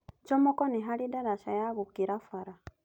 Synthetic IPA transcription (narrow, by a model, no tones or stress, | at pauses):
d͡ʒɔmɔkɔniɦalidaɾaʃajaɣukiɾafaɾa